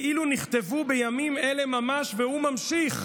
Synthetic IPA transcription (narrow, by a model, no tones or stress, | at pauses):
ʔiluniχt̪e̞vubejamime̞le̞mamaʃvehumamʃiχ